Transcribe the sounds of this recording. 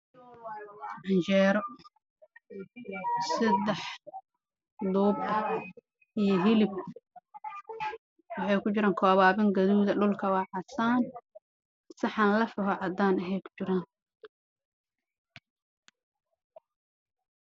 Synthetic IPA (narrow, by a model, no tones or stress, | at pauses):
ʕɑnt͡ʃɛːɾɔ | sɐd̪ɛħ | d̪uːbɐ | ijɞɦɪlɪb̚ | wɑħɑjkʰʊt͡ʃɪɾaːŋkʰɔːβaːβɐŋɡɐðuːðɐɖʊlkʰɐwɑːʕɑsaːn | sɑħɑːnlɐfɐɦɔʕɑd̪aːnɐɦɛjkʰʊ̥t͡ʃɪɾaːn